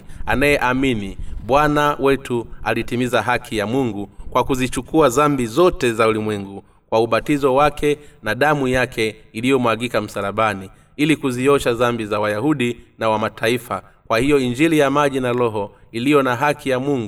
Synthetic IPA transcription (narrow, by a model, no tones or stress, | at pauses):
anajɛʔaminiɓwanawɛtʰualitimizaɦakʰijamuŋɡukwakuzit͡ʃukuazambizɔtɛzaulimwɛŋɡu | kwauɓatizɔwakʰɛnaɗamujakʰɛilijɔmwaɡikam̩salaɓani | ilikuziɔʃazambizawajahuɗinawamatʰaifa | kwahijɔiɲd͡ʒilijamaʄinalɔɦɔilijɔnaɦakʰijamuŋɡu